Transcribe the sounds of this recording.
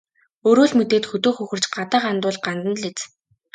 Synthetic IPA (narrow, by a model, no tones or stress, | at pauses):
ɵːɾoːɮmɵt̪eːt̪xɵt̪oːxɵxɵ̆r̥t͡ɕɢat̪aːqant̪ʊːɮɢant̪ə̆nɮet͡s